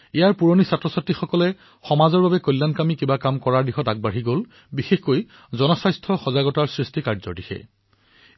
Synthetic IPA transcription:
ijaɹpuɹonisatɹɔsatːixɔkɔlɛ | xɔmazɔɹbabɛkɔjlːankamikibakamkɔɹaɹdixɔtaɡ̚baɹiɡol | bixexkoj | zɔnɔsajstʰɔxɔzaɡɔtaɹsɹistikaɹzɔɹdixɛ̰

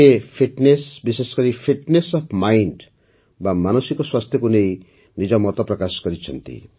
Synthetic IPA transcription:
epʰiʈnesbisesɔ̥kɔɾipʰiʈnesɔpʰmajɳɖ | bamanɔsikɔswast̪ʰjɔkunej | nid͡ʒɔmɔt̪ɔpɾɔkasɔ̥kɔɾit͡ʃʰɔnt̪ḭ

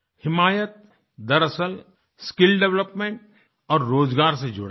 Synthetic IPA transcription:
hɪmaːjət̪̚ | d̪ɐɾəsəl | skɪlɖɛʋləpmẽɳʈ | ɔːɾːoːd͡ʒɡaːɾsed͡ʒʊ̰ɽa

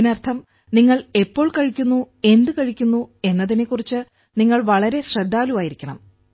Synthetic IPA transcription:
inɐrt̪ʰɐm | niŋːɐɭe̞pːo̞ːɭkɐɻikʲːunːu | e̞nd̪ɨkɐɻikʲːunːue̞nːɐðine̞kːurit͡ɕːɨ | niŋːɐɭʋɐɭɐɾe̞ɕred̪ʱːaːlumaːjiɾikʲːɐɳɐm

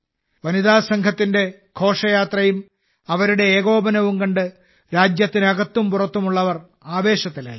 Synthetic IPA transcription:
ʋɐniðaːsɐŋɡʰʱɐt̪ːinde̞ | kʰo̞ːʂɐjaːt̪rɐjum | ɐʋɐɾuɽe̞eːɣo̞ːbɐnɐʋumkɐɳɖɨ | ɾaːd͡ʑjɐt̪ːinɐɣɐt̪ːumpurɐt̪ːumuɭːɐʋɐr | aːʋe̞ːɕɐt̪ːile

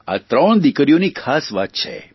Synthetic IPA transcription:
a̰t̪ɾəɳ̃d̪ikəɾijonikʰasʋat̪̚t͡ʃʰḛ

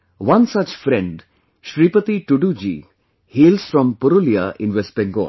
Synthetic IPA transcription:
ʋɐ̃nsɐt͡ʃfɾɛ̃ɳɖ | ʃɾiːpət̪iʈuɖud͡ʒḭ | hiːlsfɾɔ̃mpʊɾuliaʔɪ̃nʋesbɛ̃ŋɡo̰ːl

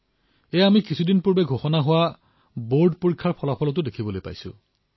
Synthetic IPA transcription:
ɛjamikisʰudinpuɹbɛɡʱoxɔnaɦʊwa | boɹdpoɹikʰːaɹpʰɔlapʰɔlɔt̬ʊdekʰibɔlojpa̰jsʊ̰̃

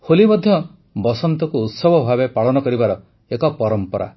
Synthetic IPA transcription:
holimbɔd̪ʱjɔ | bɔsɔnt̪ɔkuːt̪sɔbʱɔbʱabepaɭɔnɔkɔɾibaɾɔ | ekɔpɔɾɔmpɔɾa̰

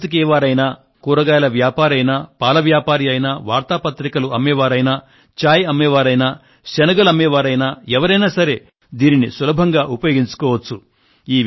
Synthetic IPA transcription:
t̪ik̬ɛːʋaːɾɐjnaː | kuːɾɐɡaːjɐlɐʋjaːpaːɾɐjnaːpaːlɐʋjaːpaːɾiɐjnaʋaːɾt̪aːpɐt̪ɾikɐluɐmːɛːʋaːɾɐjnaː | t͡ʃaːjɐmːɛːʋaːɾɐjnaː | ʃɐnɐɡɐlɐmːɛːʋaːɾɐjnaːɛʋɐɾɐjnaːsɐɾe̞ː | d̪iːninisulɐbʱɐŋɡaːʔupɐjoːɡiɲt͡ʃu̥kɔːʋɐt͡ʃːu | iː

